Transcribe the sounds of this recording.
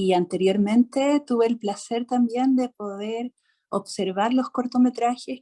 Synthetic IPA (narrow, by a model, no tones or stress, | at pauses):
iant̪e̞ɾjo̞ɾmẽ̞nt̪et̪uβeːlplase̞ɾt̪ambje̞nd̪e̞po̞ðeɾ | obse̞ɾβaɾlo̞sko̞ɾt̪o̞me̞t̪ɾaxes